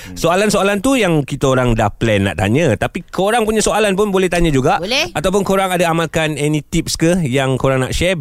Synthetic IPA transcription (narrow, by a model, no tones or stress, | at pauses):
soalansoalant̪ujaŋkit̪əoɾaŋdahplɛnːa̰ʔt̪a̰ɲə̃t̪apikʰoɾaŋpuɲãsoalanp̬ʊnbolɛht̪aɲə̃d͡ʒuɡaʔlɛat̪awp̬ʊnkoɾaŋadaamalkanɛnĩt̪ip̚skəjaŋkoɾaŋna̰ʔʃɛ